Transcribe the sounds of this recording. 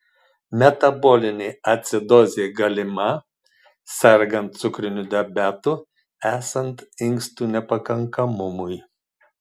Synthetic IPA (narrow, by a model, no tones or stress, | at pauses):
mʲɛt̪ɐbɔlʲɪnʲeɐt̪ʲsʲɪd̪ɔzʲɪeɡɐlʲɪmɐ | sʲɛɾɡɐnt̪̚t̪sʊkɾʲɪnʲud̪ʲɛbʲæːt̪ʊ | æːsɐnt̪ɪŋkst̪uːnʲɛpɐkɐŋkɐmʊmʊj